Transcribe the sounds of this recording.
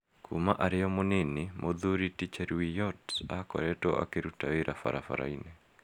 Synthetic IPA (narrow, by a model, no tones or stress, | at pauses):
kʰṵmaʔaɾejɔmonenimʔoðuɾitit͡ʃɛɾwijɔtakɔ̰ɾɛtɔa̰keɾutaweɾafa̰ɾafa̰ɾa̰inɛ